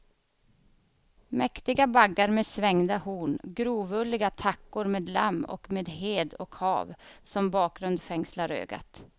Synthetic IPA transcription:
mɛkt̪ɪɡabaɡːaɾmeːdsvɛŋd̪ahuːɳɡɾuːvɵlːɪɡat̪ʰakːʊɾmeːd̪la̰mːɔ̰kmeːd̪ɦeːd̪ɔ̰khɑ̰ːvsɔmbɑːk̚ɡɾɵnd̪fɛŋslaɾø̰ːɡa̰t̪

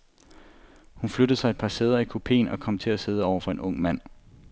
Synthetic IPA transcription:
hunflød̥ðˠsɑ̈ɪed̥̚pʰɑ̈seð̞ˠɐikʰo̝pʰe̝̰ːnɒ̽kʰɒ̽m̰t͡sʰe̝læse̝ð̞ˠɒʊ̰ɐfɒ̽e̝nɔ̽ŋ̰mæn̰

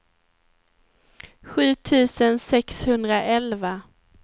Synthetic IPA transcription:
ɧʉ̟ːt̪ʰʉ̟ːsənsɛkshɵnd̪ɾaʔɛlva

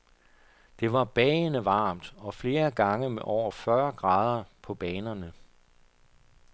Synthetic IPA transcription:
d̥e̝ʋɑ̈b̥ɛːnəʋɑ̈ːmd̥ɒ̽fle̝ːɐɡ̥ɑ̈ŋəmeʔɒʊ̰ɐfɶɐɡ̥ʁɑ̈ːð̞ˠɐpʰɒ̽b̥ɛːnɐnə

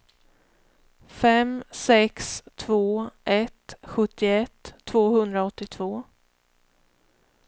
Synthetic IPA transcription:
fɛmsɛkst̪ʰvoːʔɛt̪ɧɵt̪ːɪɛt̪ʰːv̥oːhɵnd̪ɾaɔt̪ːɪt̪ʰv̥oː

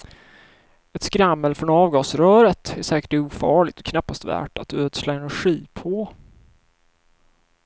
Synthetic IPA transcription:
ɛt̪skɾamːəlfɾɔnɑːvɡɑːsɾœːɾət̪æʂɛːkə̥ʈuːfɑːɭɪɡ̚t̪ɔkʰnapːast̪væ̰ːʈat̪øːd̪slaɛnæɾɧiːpʰɔ

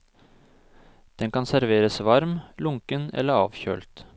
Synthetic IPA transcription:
d̪̥ɛŋkɑnsæɾʋeːɾəsʋɑɾmlʊŋkənɛ̰lːəɑ̰ːʋçø̰ːlt̪

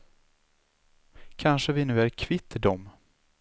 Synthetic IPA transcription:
kʰanʂəvɪnʉ̟ːæɾkʰvɪt̪ːd̪ɔm

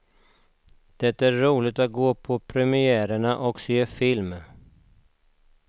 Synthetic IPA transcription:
d̪̥ɛt̪æɾːuːlɪɡ̚t̪at̪̚ɡoːpʰɔpʰɾɛmɪæːɾəɳaʔɔkseːfɪlm

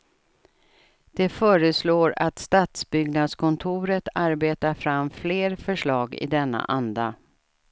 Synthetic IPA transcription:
d̪̥ɛfœːɾəsloːɾat̪st̪at̪sbʏɡnad̪skʰɔnt̪ʰʊːɾət̪aɾbeːt̪aɾfɾamːfleːɾfœʂɭɑːɡɪ̰d̪ɛnːa̰ʔand̪a

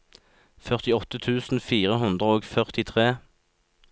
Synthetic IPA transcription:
fœʁt̪ɪɔt̪ət̪ʰʉːsn̩fiːʁəɦʉnd̪ʁəoːɡfœʁt̪ɪt̪ʰʁeː

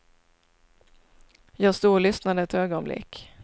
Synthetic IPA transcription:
jɑːɡst̪uːɭʏsnad̪əɛt̪øːɡɔnblʔɪ̰kː

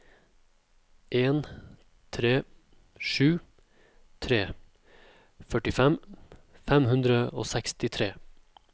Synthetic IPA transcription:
ʔeːn | t̪ʰɾeː | ʃʉː | t̪ʰɾeː | fœʈɪfɛmfɛmhʉnd̪ɾəo̰ːsɛkst̪ɪt̪ʰɾeː

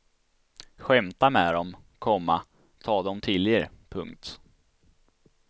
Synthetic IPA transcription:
ɧɛmt̪amɛːd̪ɔmkʰɔmːa̰ | t̪ʰɑːd̪ɔmt̪ʰɪlːɪɾpʰɵŋkt̪

